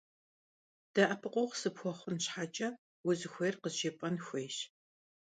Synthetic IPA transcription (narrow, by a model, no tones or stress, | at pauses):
d̥ɐʔɐpʰɨqʷʼowʁsɨpxʷɔχʷʊnɕħaːt͡ʃʼɐ | wʊzɨxʷejrqəzʒepʼɐnxʷeːʃ